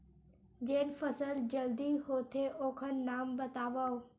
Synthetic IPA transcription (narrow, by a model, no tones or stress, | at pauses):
d͡ʑeːnfɐsəld͡ʑɐld̪iɦoːt̪ʰeʔoːkʰənnaːmbɐt̪aːʋaːo